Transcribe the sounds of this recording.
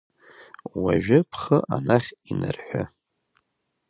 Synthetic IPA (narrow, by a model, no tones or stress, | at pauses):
waʒᶣʊpʰχəʔanaχʲinɨrħʷᶣa